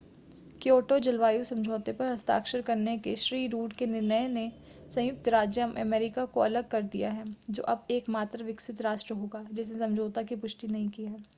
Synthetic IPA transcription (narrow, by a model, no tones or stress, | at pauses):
kjoːʈod͡ʒɐlʋaːjusɐ̃md͡ʒʱoːt̪epɐɾɦɐst̪a̰ːkʃəɾkɐɾnekeʃɾiːɾuːʈkenɪɾnəjne | sɐ̃j̃ʊk̚t̪ɾaːd͡ʒjəmʔɐ̰mɛːɾɪkakoɐləɡ̚kɐɾd̪ḭja̰ɦɛːd͡ʒo̰ːʔɐbeːkmaːt̪ɾʋɪksɪt̪ɾaːʃʈɾəɦoːɡaːd͡ʒɪsnesɐ̃md͡ʒʱoːt̪akipʊʃʈinɐɦĩkiɦɛː